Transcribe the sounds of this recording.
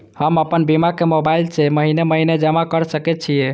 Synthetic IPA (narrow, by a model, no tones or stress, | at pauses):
həməpənbimakemobailseməɦineməɦined͡ʒəmakəɾsəkɛt̪̚t͡ʃʰije